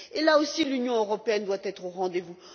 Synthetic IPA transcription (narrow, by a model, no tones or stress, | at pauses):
elaosilynjɔ̃øʁɔpeɛnd̪wat̪ɛt̪χoʁɑ̃d̪evu